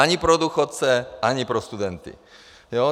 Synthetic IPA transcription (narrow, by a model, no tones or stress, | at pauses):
aɲipɾɔd̪uxɔt̪t͡sɛʔaɲipɾɔst̪ud̪ɛnt̪ḭ | jo